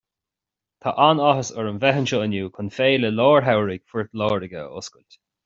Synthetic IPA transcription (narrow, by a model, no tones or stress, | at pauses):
t̪ʰaʔanɔɦəsəɹəmvɛɦənʃəənjuːkʰʊnfeːləlɔːɹɦawɹɪɡ̥fʊɹt̪lɔːɹɪɡə̰ʊ̰skʊlt̪